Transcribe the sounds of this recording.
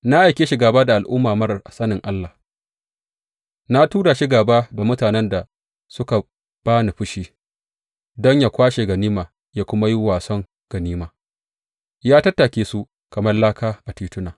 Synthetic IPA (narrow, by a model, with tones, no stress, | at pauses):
na˦ʔa˨jkʲeː˦ʃɪ˨ɡaː˨baː˦da˨ʔa˨lʔʊ˦mːaː˨mɐ˦ɾʔa˨sɐ˦nɪ˨ŋʔa˦lːa˨ | na˦tuː˦ɽa˨ʃɪ˦ɡaː˨baː˦da˨mʊ˦taː˨nɛ˦nda˨ | sʊ˦ka˨ | b̥aː˦ni˨ɸʊ˦ʃiː˦˨ | dɔ˦ɲjaː˨kʷaː˦ʃe˨ɡɐ˨niː˦maː˨ | ja˦kʷʊ˦ma˦ji˦waː˨sɔ˦ŋ | ɡ̥ɐ˨niː˦maː˨ | jaː˦tɐ˦tːa˨kʲeː˦su˦ | kɐ˨mɐ˦rlaː˦kaː˦ʔa˨tiː˦tʊ˦naː˨